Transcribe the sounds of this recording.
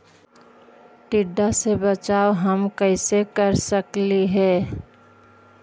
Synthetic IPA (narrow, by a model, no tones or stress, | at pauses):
ʈɪɖːasebət͡ʃaːoɦəmkəɪsekəɾsəkliɦɛː